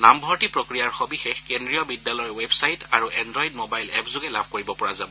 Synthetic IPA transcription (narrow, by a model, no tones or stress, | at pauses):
nambʱɔɹtipɹokɹijaɹxɔbixɛkendɹijɔbidːalɔjwebsajtaɹuʔɛndɹɔjidmobajlɛpzʊɡɛlabʱkoɹibɔpɔɹazabɔ